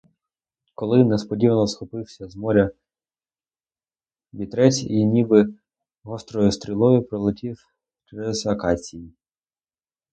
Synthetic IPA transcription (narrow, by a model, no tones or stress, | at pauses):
kɔlˠɪnɛspɔdʲiʋɐnɔsxɔpɪwsʲɐzmɔɾʲɐ | bʲit̪ɾɛt͡sʲinʲibɪ | ɦɔst̪ɾɔjʊst̪ɾʲilˠɔjʊpɾɔlˠɪtʲiw | t͡ʃɾɛzɐkɑsʲiji